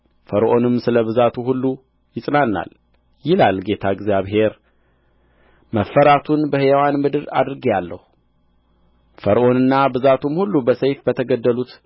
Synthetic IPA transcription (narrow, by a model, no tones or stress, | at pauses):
fəɾʔo̞nɨmsɨləβɨzat̪ʰuɦulːu | jɪsʼnanːa̰l | jɪlalɡe̞t̪ʰaɪɡzjaβɦe̞ɾ | məfːəɾat̪ʰunbəhɨjawanmɨd̪ɨɾa̰d̪ɾɨɡjalːə̰hu | fəɾʔo̞nɨnːabɨzat̪ʰumhulːubəsəjfbət̪ʰəɡəd̪ːəlut̪